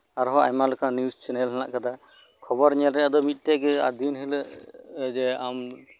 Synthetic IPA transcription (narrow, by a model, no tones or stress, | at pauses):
aɾɦɔʔa̰jmalɔkʰanjust͡ʃʰɛnɛlɦana̰ʔkad̪a | kʰɔbɔɾɲɛlɾɛjad̪ɔmit̪̚ˀʈɛɡɛa̰d̪ʱinɦɛləʔd͡ʒɛam